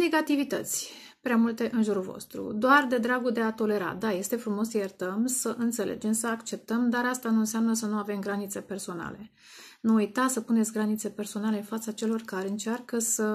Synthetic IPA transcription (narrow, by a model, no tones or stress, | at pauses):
ne̞ɡat̪ivit̪ə̰t̪sʲ | pɾeamult̪e̞ʔɨnʒuɾulvo̞̰st̪ɾṵd̪oard̪e̞d̪ɾaɡud̪e̞at̪o̞le̞ɾa̰d̪aje̞st̪e̞fɾumo̞səjert̪əmsəʔɨnt̪se̞lʔe̞̰d͡ʒe̞msəakt͡ʃe̞p̚t̪əmd̪aɾast̪anuɨnseamnəsənuave̞mɡɾanit̪se̞pe̞rso̞na̰le̞ | nuujt̪asəpune̞t̪sʲɡɾanit̪se̞pe̞rso̞nale̞ɨnfat̪sat͡ʃe̞lo̞rkaɾe̞ɨnt͡ʃarkəsə